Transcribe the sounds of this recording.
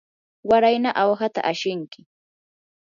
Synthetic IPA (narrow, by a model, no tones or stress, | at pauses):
waɾajnaʔawxat̪a̰ʔaʃɪŋkɪ